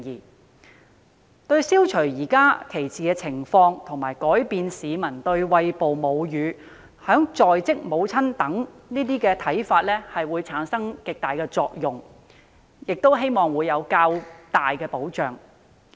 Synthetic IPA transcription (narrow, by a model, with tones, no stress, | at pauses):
iː˨ | t̪ɵ˥˧ɥsiː˥wt͡ʃʰɵ˨˩ɥjiː˨˩kaː˥kʰe˨˩jt͡siː˨kɛː˧t͡sʰɪ˨˩ŋfɔː˧ŋt̪ʰʊ˨˩ŋmaː˨˩jkɔː˨˥jpiː˧nsiː˨˧mɐ˨˩nt̪ɵ˧ɥwɐ˧jpo˨wmo˨˧wjyː˨˧ | hœː˨˥ŋt͡sɔː˨jt͡sɪ˥k̚mo˨˧wt͡sʰɐ˥nt̪ɐ˨˥ŋniː˥t̪iː˥kɛː˧t̪ʰɐ˨˥jfaː˧t̚lɛː˥hɐ˨jwuː˨˧jt͡sʰaː˨˥nsɐ˥ŋkɪ˨k̚t̪aː˨jkɛː˧t͡sɔː˧k̚jʊ˨˩ŋ | jɪ˨k̚t̪o˥wɦe˥jmɔː˨ŋwuː˨˧jjɐ˨˧wkaː˧wt̪aː˨jkɛː˧po˨˥wt͡ʃœː˨˩ŋ